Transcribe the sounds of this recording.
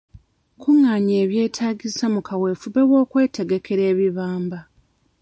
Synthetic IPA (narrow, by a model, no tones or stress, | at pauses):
kuŋːaːɲeːβje̞ːtʰaːɡisamukawe̞ːfuβe̞wo̞ːkwe̞ːte̞ɡe̞kʰe̞ɾe̞ːβiβaːmba